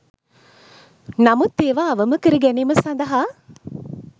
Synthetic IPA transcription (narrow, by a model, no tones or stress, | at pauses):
nɐmut̪ːeːʋaːɐʋəmɐkəɾəɡɛniːməsɐnd̪ɐɦaː